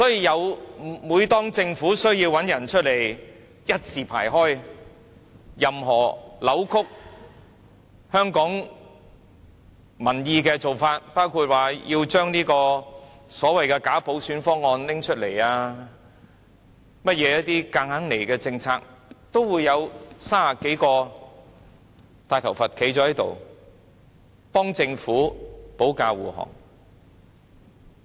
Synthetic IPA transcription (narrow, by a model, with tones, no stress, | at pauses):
sɔː˨˥jiː˧jɐ˨˧wmuː˨˧jt̪ɔː˥ŋt͡sɪ˧ŋfuː˨˥sɵ˥ɥjiː˧wɐ˨˥njɐ˨˩nt͡ʃʰɵ˥t̚le˨˩j | jɐ˥t̚t͡sʰiː˨˩pʰa̰ː˨˩jɦɔː˥j | jɐ˨mɦɔː˨˩lɐ˨˥wkʰʊ˥k̚ | hœː˥ŋkɔː˨˥ŋ | mɐ˨˩njiː˧kɛː˧t͡so˨wfaː˧t̚paː˥wkʰuː˧t̚waː˨˩jiː˧wt͡ʃœː˥ŋniː˥kɔː˧sɔː˨˥wɐ˨jkɛː˧kaː˨˥po˨˥wsyː˨˥nfɔː˥ŋːɔː˧nlɪ˥ŋt͡ʃʰɵ˥t̚le˨˩jaː˧ | mɐ˥t̚jɛː˨˧jɐ˥t̪iː˥kaː˧ŋha˨˥ŋne˨˩jkɛː˧t͡sɪ˧ŋt͡sʰaː˧k̚t̪o˥wwuː˨˧jːɐ˨˧wsaː˥aː˨˩ke˨˥jkɔː˧ | t̪aː˨˧jt̪ʰɐ˨˩wfɐ˨t̚kʰe˨˥jt͡ʃɔː˨˥hjt̪o̰˨w | pɔː˥ŋt͡sɪ˧ŋfuː˨˥po˨˥wkaː˧wuː˨hɔ̰ː˨˩ŋ